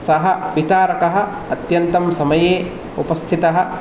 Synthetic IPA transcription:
sɐɦɐʋit̪aːɾɐkɐɦɐ̆ | ɐt̪jɐnt̪ɐmsɐmɐjeː | upɐst̪ʰit̪ɐɦɐ̆

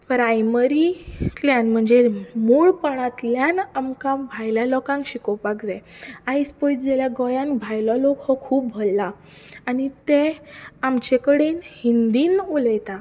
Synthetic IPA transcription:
pəɾajməɾit̪ljanm̤əɳd͡zemuːɭpəɳ̃ãt̪ljanamkãbʱajlalɔkãŋkɕikɔwpakd͡zaajspɔjt͡sd͡zeljaɡɔjãnbʱajlɔlɔkhɔkʰuːp̚bʱɔlːaː | nit̪ẽamt͡ɕekəɽenhind̪iːnuləjt̪a

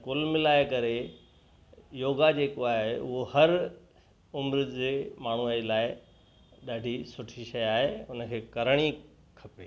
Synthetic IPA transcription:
kʊlmɪlaːɪkɐɾe | joːɡad͡ʑeːkoaːɦeʔʊɦohɐɾ | ʊmɾɪd̪d͡ʑeːmaːɳ̤uailaːɪ | ɗaːɖʱisʊʈʰiʃɐjaːɦeʊn̆kʰeːkɐɾəɽ̃i | kʰɐpeː

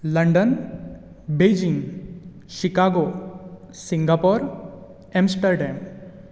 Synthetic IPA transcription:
lɐɳɖən | bed͡ʒiŋ | ʃikaɡo | siŋɡapɔɾ | emsʈəɾɖem

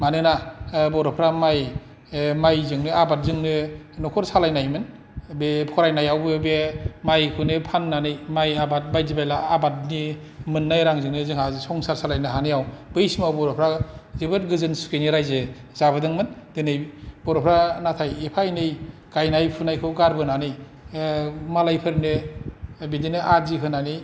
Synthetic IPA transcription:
manɯnabɔɾɔpʰɾamaj | majzɯŋnɯabat̚zɯŋnɯnɔkʰɔɾsalajnajmɯn | bepʰɔɾajnajawbebemajkʰɯnɯpʰanːanɯjmajabat̚bajzibajlaabat̚ni | mɯnːajɾaŋzɯŋnɯzɯŋhasɔŋsaɾsalajnɯɦanɯjawb̥ɯjsimawbɔɾɔpʰɾazibɯtɡɯzɯnsu̥keniɾajzezaβɯdɯŋmɯndenɯjb̥ɔɾɔpʰɾanatʰajepʰajnɯjkajnajpʰunajkʰɯɡaɾbɯnanɯj | malajpʰɯɾne | bedinɯʔazikʰɯnanij

